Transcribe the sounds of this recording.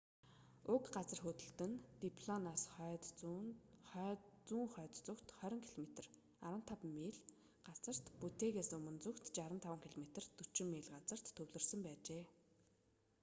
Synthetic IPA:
ʊkɢat͡sə̆rxɵt̪ɵ̆ɬt̪ɘ̆nt̪ipʰɮɔnaːs | t͡suːŋχœːt̪t͡sʊkt̪χœɾʲɞ̆ŋkʰiɮomet̪ə̆r | aɾə̆n̥t̪ʰapmeːɮ | ɢat͡sə̆r̥t̪put̪eːɣeːsɵmɵ̆nt͡sukt̪t͡ɕaɾə̆nt̪ʰawə̆ŋkʰiɮomet̪ə̆rt̪ːɵt͡ɕɪ̆mːeːɮɢat͡sə̆r̥t̪ʰːɵwɮɵ̆rsə̆mpæːt͡ɕeː

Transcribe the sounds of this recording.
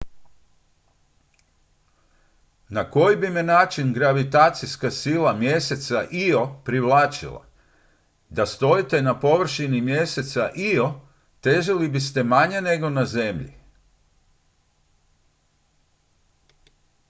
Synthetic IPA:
nako̞jibimenaːt͡ʃinɡɾaʋit̪aːt̪siskasilamje̞se̞t̪saʔio̞pɾiʋlˠaːt͡ʃḭla̰ | d̪ast̪o̞jit̪enapo̞ʋr̩ʃinimje̞se̞t̪saʔio̞ | t̪e̞ʒalibist̪e̞maɲene̞ɡo̞naze̞mʎḭ

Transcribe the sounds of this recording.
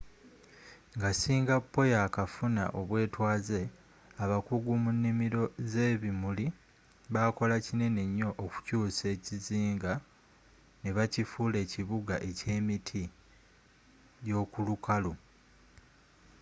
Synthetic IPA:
ŋɡasiːŋɡapːo̞jakafuna̰ʔo̞βwe̞ːtwaːze̞ | aβakuɡumunːimiɾo̞ze̞ːβimuli | βako̞lacine̞ne̞ɲːo̞ʔːku̥cuːse̞ːciziːŋɡa | neβacifuːle̞ːciβuɡaʔe̞ce̞ːmitʰi | jo̞ːkulukalu

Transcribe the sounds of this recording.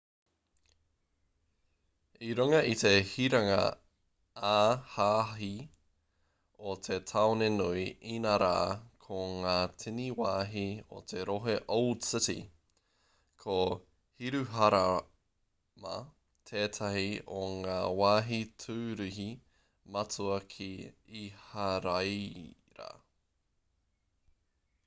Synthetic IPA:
iɾuŋɐʔit̪e̞hiɾɐŋɐ̰ | aːhaːɦi | ot̪ʰe̞tʰaonenuiinaɾa̰ːkʰoŋaːtʰiniwaːɦio̰t̪ʰe̞ɾoɦeʔold̥sɪtḭ | kʰo | hiɾʉɦɐɾa | mɐ̰ | tʰeːtʰaɦioŋaːwaːɦitʰʉːɾiɦi | mɐt͡suɐkʰiihaɾaj | ɾɐ̰

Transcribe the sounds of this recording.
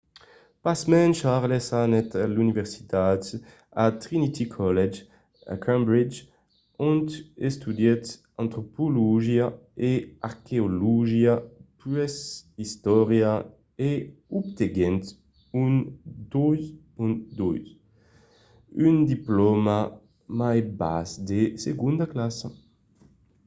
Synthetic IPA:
pasmɛnʃaʁlesanɛt̪alynivɛʁsi̥t̪at̪ | at̪ʁinit̪ʰikʰɔlɛd͡ʒ | a̰kʰɛ̃mbɾid͡ʒ | ɔ̃nt̪est̪ud̪jɛt̪ | ãnt̪ɾopoluʒja | eaʁkeoluʒjapɛsist̪ɔʁja | eup̚t̪eɡɛnt̪ | und̪ɔjz | unt̪d̪ɔ̰jz | ynd̪iplɔma | majba̰sd̪eseɡũnd̪aklasa

